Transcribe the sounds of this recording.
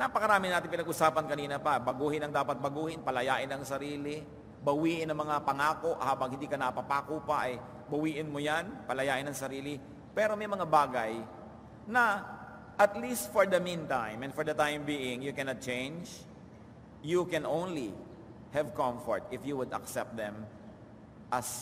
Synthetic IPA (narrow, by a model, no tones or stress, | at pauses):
napɐkɐɾaːmɪnaːt̪ɪnpɪnɐɡʔʊsaːpɐnkɐniːnɐpɐbɐɡuːhɪnɐŋd̪aːpɐt̪̚bɐɡuːhɪnpɐlɐjaːʔɪnɐŋsɐɾiːlɪ | bɐwiːʔɪnɐŋmɐŋapɐŋaːko̞ʔhaːbɐŋhɪnd̪iːkɐnɐpapakuːpaʔɐj | bɐwiːʔɪnmojanpɐlɐjaːʔɪnɐŋsɐɾiːlɪ | pɛːɾo̞mɐjmɐŋabaːɡɐj | nɐ | ʔɐt̪list̪foɹd̪ɐmĩnt̪ãj̃mɛ̃nfɔɹd̪ɐt̪ãjmbiːɪ̃ŋjʊkɛnat̪̚t͡ʃẽjnd͡ʒ | jukɛ̃nʔõwnli | hɛvkɔ̃mfɔ̰ɹt̪ɪfjuwʊd̪ɐ̰ksɛp̚t̪̚d̪ɛ̃m | ʔɐs